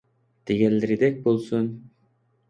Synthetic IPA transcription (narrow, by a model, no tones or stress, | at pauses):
t̪ʰeɡʲelɾid̪ek̚bolˠsun